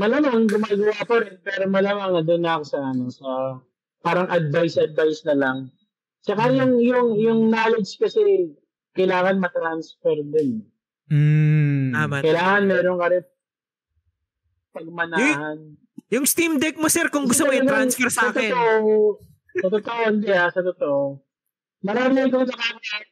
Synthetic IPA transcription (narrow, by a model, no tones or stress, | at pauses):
mɐlamɐŋɡʊmaːɡɐwapɐɾɛnpɛːɾomɐlamaŋɐd̪onɐkosɐɐnosɐ | paːɾɐŋʔɐd̪̚vajsʔɐd̪̚vajsnɐlɐŋ | t͡ʃɐkajʊŋjʊŋjʊŋnaːlɛd͡ʒd͡ʒkɐsɛ | kɐjlaːŋɐnmɐt̪ɾansfɛɾd̪ɪn̩ | kɐjlaːŋɐnmɛːɾoŋkaɾɛ | pɐɡ̚mɐnahɐn | jʊŋst̪imd̪ɛk̚mosɛɾkʊŋɡʊst̪omoɪjɾansfɛɾsasɐkt̪t̪oʔo | ɐt̪ʊt̪oʔoʔɪnd̪ɛasɐt̪ot̪oʔo | mɐɾaːmɪɪkosɐkaːn